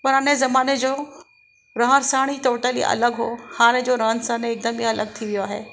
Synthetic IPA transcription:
pɐɾanezɐmaːned͡ʑoː | ɾɐɦə̃ɾsaːɽ̃it̪oːʈəlḭʔɐ̰ləɡɦoːhaːñed͡ʑoɾɐɦənsaːneːk̚d̪əmiɐləɡ̚t̪ʰiʋijoɦḛː

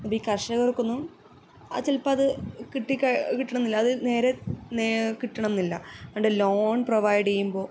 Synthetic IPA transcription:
nːɐpːoiːkɐrʂɐɣɐrukːunːu | a̰ːt͡ɕelpːaːðɨkiʈːikːakiʈːɐɳɐmnilːɐːðɨne̞ːɾe̞nekiʈːɐɳɐmnilːɐɐɳɖeloːɳproʋɐjɽejːumbo̞ː

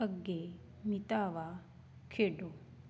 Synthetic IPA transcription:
əɡːe | mit̪aːʋa | kʰeːɖo

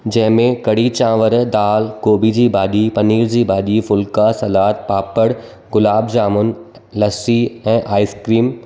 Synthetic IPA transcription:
d͡ʑɐ̃ɦɪ̃mẽkɐɽit͡ɕãːʋəɾd̪aːlkoːbid͡ʑiːbaːɗipɐniːɾd͡ʑiːbaːɗifʊlkasɐlaːt̪̚paːpəɽ | ɡʊlaːbd͡ʑaːmʊn | lɐsiɛ̃ːʔaːɪskɾiːm

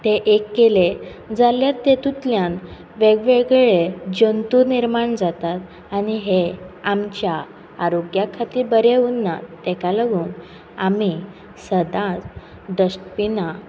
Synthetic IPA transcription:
t̪eʔekːele | d͡zaljaɾt̪et̪ut̪ljan | ʋeɡʋeɡɭed͡ʑənt̪uniɾmaɳd͡zat̪at̪ | aniɦeamt͡ɕjaː | ɾoɡjakʰat̪ibəɾeunːa̰t̪ɛkaləɡuːn | ami | səd̪ã | d̪əɕʈpina

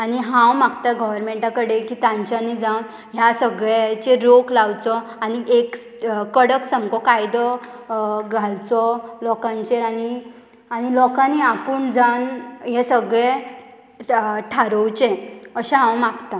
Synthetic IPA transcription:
aniɦãwmakt̪aɡəʋəɾmeɳʈakəɽekit̪ãɲt͡ɕanːid͡zãwn | ɦjasəɡɭet͡ɕeɾoklawt͡sɔaniek | kːəɽəksəmkɔkajd̪ɔ | ɡʱalt͡sɔlɔkãɲt͡ɕeɾani | anilɔkãniapəɳd͡zawnɦesəɡɭe | ʈʰaɾəwt͡ɕẽəɕãɦãwmakt̪a

